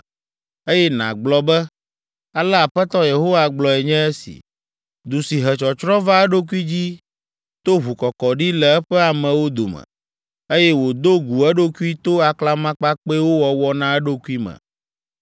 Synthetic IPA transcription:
e˦jɛ˦nã̰˨ɡ͡blɔ˨bɛ˦ | a˨lɛ˦a˨ɸɛ˦t̪ɔ˦je˨ɦo˦wa˦ɡ͡blɔ˨ɛ˨ɲɛ̃˦ɛ˦sḭ˨ | d̪u˨si˨ɦɛ˨t͡ʃɔ˨t͡ʃɾɔ̃˦va˦ɛ˦ɖo˦k̬u˦i˦d͡ʑi˦ | t̪o˦ɦu˨kɔ˨kɔ˨ɖi˦lɛ˨ɛ˦ɸɛ˦a˨mɛ̃˨wo˦d̪o˨mɛ̰̃˨ | e˦jɛ˦wo˨d̪o˦ɡu˨ɛ˦ɖo˦ku˦i˦t̪o˦a˨kla˦mã˦k͡pa˦k͡pe˦wo˦wɔ˨wɔ˦nã˦ɛ˦ɖo˦ku˦i˦mɛ̰̃˨

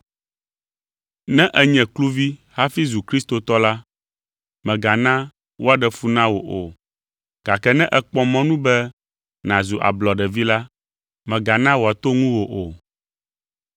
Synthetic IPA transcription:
nɛ̃˦ʔɛ˦ɲɛ̃˨klu˦vi˦ha˦fi˦zu˨kɾi˦st̪o˨t̪ɔ˦la˦ | mɛ̃˨ɡa˨nã˦ | wo˦a˨ɖɛ˨fu˦nã˦wo˨ʔo˨ | ɡ̥a˨kɛ˦nɛ̃˦ʔɛ˨k͡pɔ˦mɔ̃˦nũ˦bɛ˦ | nã˨zu˨ʔa̰˨blɔ˨ɖɛ˨vi˦la˦ | mɛ̃˨ɡa˨nã˦wo˨a˨t̪o˦ŋũ˦wo˨ʔo˨

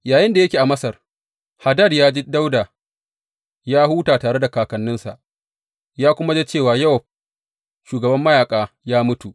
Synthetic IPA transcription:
jaː˨jɪ˦nda˨jɐ˦kʲiː˨ʔa˨mɐ˦sɐ˨r | ha˨dɐ˦˨djaː˦d͡ʒi˦da˦wda˨ | jaː˦huː˦taː˨taː˨ɽe˦da˨kaː˨kɐ˨nːɪ˦nsa˨ʔ | jaː˦kʷʊ˦ma˦d͡ʒe˦t͡ʃeː˦˨waː˨jɐ˦wɸ̚ | ʃuː˨ɡɐ˨bɐ˦mːɐ˦jaː˨kʼaː˦ | jaː˦mʊ˦tu˨ʔ

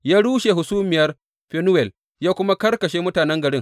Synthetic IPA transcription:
jaː˦ɽuː˦ʃe˨ɦʊ˨suː˦mɪ˨jɐ˦r | ɸɛ˦nʊ˦wɛ˨l | jaː˦kʷʊ˦ma˦kɐ˦rkɐ˨ʃeː˦mʊ˦taː˨nɛ˦ŋɡɐ˨ɽɪ˦ŋ

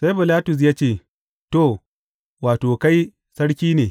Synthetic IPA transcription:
sa˦jbɪ˨laː˦tʊ˨s̬jaː˦t͡ʃeː˦˨ | to˦˨ | waː˨toː˨ka˦j | sɐ˦ɽkʲiː˦neː˨

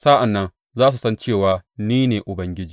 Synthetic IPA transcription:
sa˦ʔa˨nːɐ˦n | zaː˦s̬u˨sɐ˦nt͡ʃeː˦˨waː˨niː˦neː˨ʔʊ˨bɐ˦ŋɡʲɪ˦d͡ʒiː˨

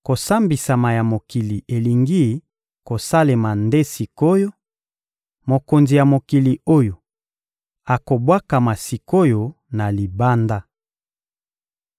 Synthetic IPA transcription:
ko˨sa˦mbi˨sa˨ma˨ja˨mo˨ki˨li˨e˨li˨ŋɡi˦ | ko˨sa˦le˨ma˨nde˦si˨ko˦jo˦ | mo˨ko˨nzi˨ja˨mo˨ki˨li˨o˦jo˨ | a˨ko˨bwa˦ka˨ma˨si˨ko˦jo˦ | na˨li˨ba˦nda˦

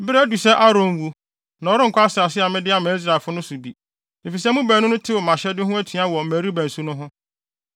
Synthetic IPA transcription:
bɪ˦ɾæ˦du˨sɛ˦ʔa˦ɾõ˦n˦wu˦ | nã˨ɔ˨ɾɪ˦ŋ̩˨kʰʷɔ˦a˦sɪ˨a˨s̬ɪ˦a˨mɪ̃˦dɪ˦a˨mã˨i˦s̬ɾa˨e˨fʊ˦nʊ̃˦su˨bi˨ | fi˨s̬ɛ˦mũ˦bæː˨nʊ̃˦nʊ̃˦tʰɪ˦wɔ˨mã˨ɕɛ˦dɪ˦ɦʊ̃˦æ˦tʰi˨a˦wɔ˨m̩˨mæ˨ɾi˦bæ̃˨n˨su˦nʊ̃˦ɦʊ̃˦

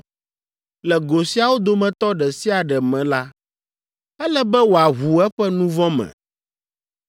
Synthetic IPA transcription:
lɛ˨ɡo˨si˦a˨wo˦d̪o˨mɛ̃˨t̪ɔ˦ɖɛ˨si˦a˨ɖɛ˨mɛ̃˨la˦ | ɛ˦lɛ˦bɛ˦wo˨a˨ɦu˨ɛ˦ɸɛ˦nũ˦vɔ̃˦mɛ̰̃˨

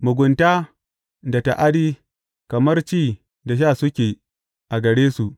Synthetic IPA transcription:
mʊ˨ɡʷʊ˨ntaː˦ | da˨ta̰˨ʔa˦diː˦ | kɐ˨mɐ˦rt͡ʃiː˦˨ | da˨ʃ̬aː˦˨sʊ˦kʲeː˨ | ʔa˨ɡɐ˨ɽeː˦su˨ʔ

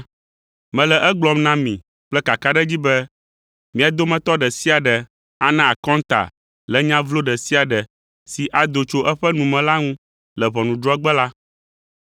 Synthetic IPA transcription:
mɛ̃˨lɛ˨ʔɛ˦ɡ͡blɔ˨mnã˦mḭ̃˨ | k͡plɛ˦ka˨ka˦ɖɛ˦d͡ʑi˦bɛ˦ | mĩ˨a˨d̪o˦mɛ̃˦t̪ɔ˦ɖɛ˨si˦a˨ɖɛ˨ | a˦nã˨a˨kɔ̃˦nt̪a̰˨ | lɛ˨ɲã˦vlo˦ɖɛ˨si˦a˨ɖɛ˨ | si˨ʔa˨d̪o˨t͡ʃo˦ʔɛ˦ɸɛ˦nũ˨mɛ̃˨la˦ŋũ˦ | lɛ˨βɔ˨nũ˨ɖɾɔ˦ɛ˦ɡ͡bɛ˦la˦

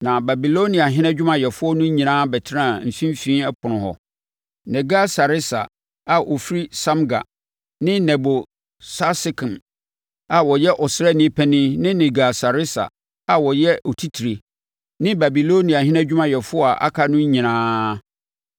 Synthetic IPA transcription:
nã˨ba˨bi˨lo˦nĩ˨a˨ɦɪ̃˦nɛ̃˦d͡ʑᶣʊ˦mã˨jɛ˨fʊ˦ɔ˦nʊ̃˦ɲĩ˨nãː˦bɛ˨tʰɪ˦ɾã˦˨m̩˨fĩ˦m˦fĩː˦ɛ˦pʰʊ˨nʊ̃˨hɔ̰˨ | nɛ̃˨ɡa˦sa˨ɾɪ˦sa̰˨ | a˨ʔo˨fɾi˦sã˦mɡa̰˨ | nɪ̃˦nɛ˨bo˨ | sa˦sɪ˦kʰɪ̃˨m | a˨wɔ˨jɛ˦ʔɔ˨sɾɛ˦˨nɪ̃˦pʰɛ˦nɪ̃˦nɪ̃˦nɛ̃˨ɡa˨sa˨ɾɪ˦sa̰˨ | a˨wɔ˨jɛ˦ɔ˨tʰi˦tʰi˨ɾe˨ | nɪ̃˦ba˨bi˨lo˦nĩ˨a˨ɦɪ̃˦nɛ̃˦d͡ʑᶣʊ˦mã˦jɛ˨fʊ˦ɔ˦a˨ʔa̰˦kʰa˨nʊ̃˦ɲĩ˨nãː˦

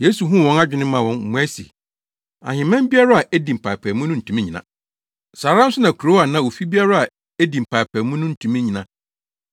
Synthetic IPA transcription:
je˦su˨ɦũ˦˨wɔ̃˦na˦d͡ʑᶣɪ˨˦nɪ̃˦mã˨wɔ̃˦n̩˨mũ˦æ˦sḭ˨ | a̰˨hɪ̃˨mɛ̃˦mbi˦a˦ɾa˦a˨ʔæ˦dĩ˨m̩˨pʰa˨pʰæ˨mũ˦nʊ̃˦n̩˨tʰũ˨mĩ˦ɲĩ˨nã̰˨ | saː˨ɾã˦m̩˦sʊ˦nã˨kʰu˨ɾo˦a˨nã˨wo˨fi˦bi˦a˦ɾa˦a˨ | e˦dĩ˨m̩˨pʰa˨pʰæ˨mũ˦nʊ̃˦n̩˨tʰũ˨mĩ˦ɲĩ˨nã˨

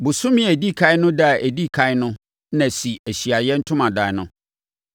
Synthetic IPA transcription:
bʊ˨sʊ̃˦mɪ̃˦æ˨di˦kʰa˦jnʊ̃˦da˦˨ʔæ˨di˦kʰa˦nʊ̃˦ | nã˨si˨æ˨ɕi˨a˨jɛ˦n̩˦tʰʊ̃˦mã˨da˨˦nʊ̃˦

